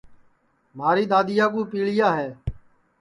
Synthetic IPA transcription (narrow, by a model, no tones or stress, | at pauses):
maːɾiːɗ̪aːd̪ɪjaːk̬uːpiːɭɪjaːɦɛː